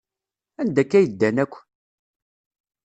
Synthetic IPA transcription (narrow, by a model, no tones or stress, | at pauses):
ænd̪ækːæjəd̪ːænækʷː